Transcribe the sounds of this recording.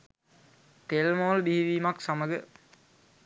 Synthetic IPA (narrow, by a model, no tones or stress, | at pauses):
t̪elmoːldiɦiʋiːmaksaməɡə